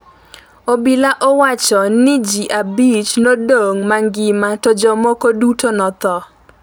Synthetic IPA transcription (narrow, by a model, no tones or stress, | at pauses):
obilaʔɔwat͡ʃɔnɪd͡ʒiʔabit͡ʃnodoŋmaŋɡɪmatod͡ʒɔmokodutʰonɔt̪ɔ